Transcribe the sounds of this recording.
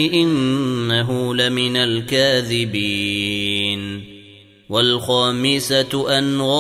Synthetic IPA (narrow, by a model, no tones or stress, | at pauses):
ɪʔɪnːaɦʊlamɪnalkaːðɪbiː | n | walxaːmɪsaʔanɣɑ